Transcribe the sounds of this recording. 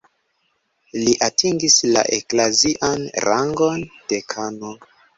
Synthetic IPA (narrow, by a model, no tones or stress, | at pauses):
liʔatʰiŋɡisla̰ʔḛklaziʔanɾaŋɡo̞nd̥e̞kʰano